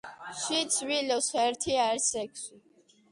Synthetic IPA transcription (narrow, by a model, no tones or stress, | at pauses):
ʃit̪sʰvilɔsɛɾt̪ʰiaɛɾsɛkʰsi